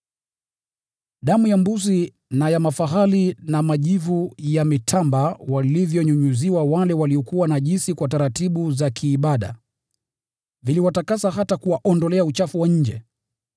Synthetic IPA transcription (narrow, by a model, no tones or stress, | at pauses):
ɗamujambuzi | najamafaɦalinamaʄivujamitʰambawalivjɔɲuɲuziwawalɛwaliɔkuwanaʄinsikwataɾatiɓuzakʰiːɓaɗa̰ | viliwatakasaɦatakuwaʔɔndɔlɛaut͡ʃafuwaɲ̩d͡ʒɛ